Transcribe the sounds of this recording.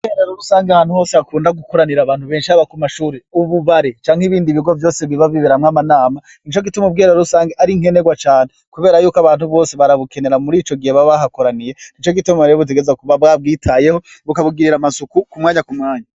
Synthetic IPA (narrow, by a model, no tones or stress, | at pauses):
bɡeɾeɾoɾusaːŋɡeahaːnhuho̞ːseakuːndaɡukoɾaniɾaβaːn̥uβe̞ːnʃiaβakumaʃuːɾeuβuβaɾet͡ʃaːŋ̥iβiːndiβiɡo̞vjo̞ːseβiβaviβeɾamŋamanaːma | nit͡ʃo̞ɡitumob̚ɡeɾeɾoɾusaːŋɡeʔaɾiŋ̥he̞neɡwat͡ʃaːn̥ekuβe̞ːɾajuːkaβaːn̥huβo̞ːse̞βaɾaβuke̞ne̞ɾamuɾiːt͡ʃo̞ɡiheβaβaɦako̞ɾanije̞nit͡ʃo̞ɡitumaɾejoβut̬eɡezakuβabab̚ɡiːtʰaje̞ho̞βukaβuɡiɾiɾamasukukumŋaːɲakumŋaːɲa